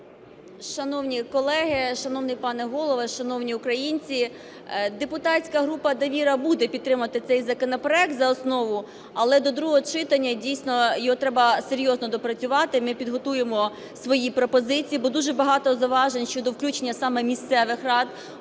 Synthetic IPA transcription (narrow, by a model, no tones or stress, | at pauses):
ʃɐnɔwnʲikɔlˠɛɦɪʃɐnɔwnɪjpɑnɛɦɔlˠɔʋɐʃɐnɔwnʲiʊkɾɐjinʲt͡sʲi | d̪epʊt̪ɑsʲkɐɦɾupɐd̪ɐʋʲiɾɐbud̪ɛpʲid̪̚t̪ːɾɪmɐɐt̪ɪt̪sɛjzɐkɔnɔpɾɔɛk̚t̪zɐɔsnɔʋʊ | ɐlˠɛd̪ɔd̪ɾuɦɔt͡ʃɪt̪ɐnʲːɐdʲijsʲnɔjɔɦɔt̪ɾɛbɐseɾʲjɔznɔd̪ɔpɾɐt͡sʲʊʋɑt̪ɪmɪpʲid̪ɦɔt̪ujemɔ | sʋɔjipɾɔpɔzɪt͡sʲijibɔd̪uʒɛbɐɦɑt̪ɔzɐʋɑʒenʲʃt͡ʃɔd̪ɔwklʲut͡ʃenʲːɐsɑmɛmʲist̪sɛʋɪxrɑd̪